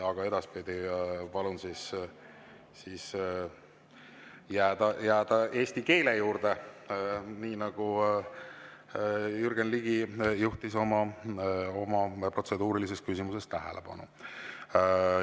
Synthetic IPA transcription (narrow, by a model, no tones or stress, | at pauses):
ɑɡ̥ɑe̞d̪̥ɑspid̪ipɑlunsis | siːs | jæːd̪̥ɑjæːd̪ɑʔe̞ːst̪ike̞ːle̞juːrd̪̥e | niːnɑɡ̥u | jyrɡ̥enliɡ̥ijuht̪iso̞mɑ | o̞mɑpro̞t̪se̞d̪uːɾilis̬e̞st̪̚kysʲimuse̞st̪æɦḛleb̥ɑ̰nṵ